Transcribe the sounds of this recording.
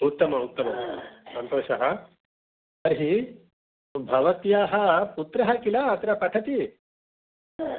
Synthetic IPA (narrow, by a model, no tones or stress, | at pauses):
ut̪ːɐmɐut̪ːɐmɐsɐnt̪oːʃɐɦɐ | ɐɾɦi | bʱɐʋɐt̪jaːɦɐput̪ɾɐɦɐkilaːɐt̪ɾɐpɐʈ̪ʰɐt̪i